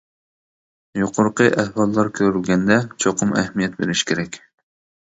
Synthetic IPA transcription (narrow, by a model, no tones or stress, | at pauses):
joqʰʊɾqəʔɛhwɑlˠːɑɾkʲʰøɾylɡʲɛnd̪ɛt͡ʃʰoqʰʊmɛhmijɛt̪̚bḛɾɪʃkʲeɾɛkʲ